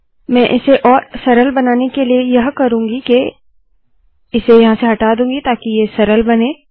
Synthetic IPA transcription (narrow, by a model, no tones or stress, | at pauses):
mɛ̃ːʔɪseʔɔːɾsɐɾəlbɐnaːnekeliejɐɦkɐɾũːŋɡike | ɪsejɐɦãseɦɐʈaːd̪ũːŋɡit̪aːkijesɐɾəlbɐnẽː